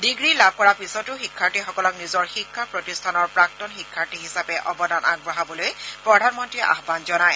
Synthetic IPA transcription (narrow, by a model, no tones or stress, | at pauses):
diɡɹilab̚ʱkɔɹapisɔtʊxikʰːaɹtixɔkɔlɔknizɔɹxikʰːapɹɔtistʰanɔɹpɹak̚tɔnxikʰːaɹtiɦisapɛʔɔbɔdanʔa̰ɡ̚ɹɔɦabɔlojpɹɔdʱanmɔntɹiʔa̰xbanzɔnaj